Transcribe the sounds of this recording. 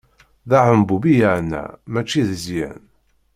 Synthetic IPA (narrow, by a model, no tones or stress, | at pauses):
ðaʕəmbubijəʕnːæ̰mæt͡ʃːiðəzjæ̰n